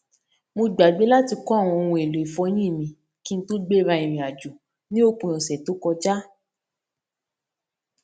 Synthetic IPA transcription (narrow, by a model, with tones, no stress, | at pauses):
mo˧ɡ͡ba˨ɡ͡be˨˦la˦ti˧kɔ˦˨w̃ɔ̃˧o˧wũ˧e˨lo˨i˨fɔ˧˦j̃ĩ˦˨mĩ˧ | ki˦n̩˦to˦ɡ͡be˦ɾa˧i˨ɾ̃ĩ˨a˨d͡ʒu˨ | nĩ˦o˦k͡pũ˧ɔ̃˨sɛ˨to˨˦kɔ˧d͡ʒa˦